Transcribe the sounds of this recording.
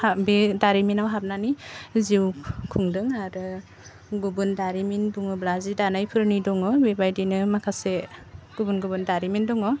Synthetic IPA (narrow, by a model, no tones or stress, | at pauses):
habedaɾiminawɦap̚naniziwkʰuŋdɯŋaɾɯ | ɡubɯndaɾiminbuŋɯblazidanajpʰɯɾnidɔŋɔbebajdinɯmakʰaseɡ̥ubunɡubɯndaɾimindɔŋɔ